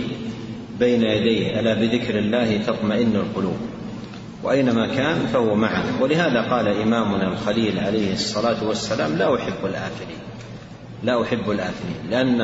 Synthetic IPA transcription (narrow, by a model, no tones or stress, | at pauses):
bajnajad̪ajhʔalaːbɪðɪkɾɪlːaːhɪt̪ɑt̪ˤmaʔɪnːalqʊluːb̚ | wa̰ʔajnamaːkaːnfahʊwamaʕanawɪlɪɦaːðaqɑːlaʔɪmaːmʊnalxaliːlʕalajhɨɑsˤːɑlaːt̪wasːalaːmlaːʔʊħɪbːalʔaːfɪɾḭːn | laːʔʊħɪbːalʔaːfɪɾḭːnlɪʔanː